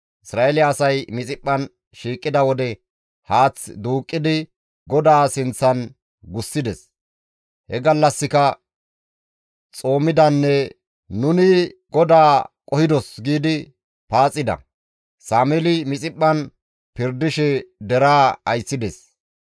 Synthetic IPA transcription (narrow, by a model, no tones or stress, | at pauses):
ʔɪsɾaːɛlɪjaːsɐjmɪt͡sʼɪpʼːɐn | ʃiːkʼːɪd̪ɐwɔd̪ɛ | haːt͡sd̪uːkʼːɪd̪ɪ | ɡɔd̪aːsɪnt͡sːɐn | ɡʊsːɪd̪ɛs | hɛɡɐlːɐsːɪkɐ | t͡sʼo̞ːmɪd̪ɐnːɛ | nʊnɪɡɔd̪aːkʼɔhɪd̪ɔsɡiːd̪ɪ | paːt͡sʼːɪd̪ɐ̰ | saːmɛlɪmɪt͡sʼɪpʼːɐn | pɪɾd̪ɪʃɛd̪ɛɾaːɐjsːɪd̪ɛs